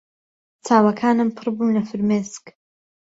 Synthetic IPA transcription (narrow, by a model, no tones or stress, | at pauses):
t͡saːwɐkʰaːnɨmpʰɨɾbuːnlɐfɨɾmeːsk